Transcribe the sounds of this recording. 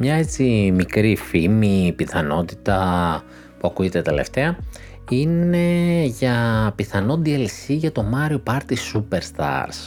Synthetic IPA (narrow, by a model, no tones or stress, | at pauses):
mɲɐe̞t͡simikɾifimipiθɐno̞t̪it̪ɐ | puɐkujet̪et̪e̞lḛft̪e̞ɐ | ine̞ʝɐpiθɐno̞d̪ielsiʝɐt̪o̞mɐɾio̞pɐɾt̪isupeɾst̪ɐ̰ɾs